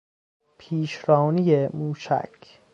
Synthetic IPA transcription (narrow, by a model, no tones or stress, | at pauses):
pʰiːʃɾɒːnijemuːʃæ̰kʰ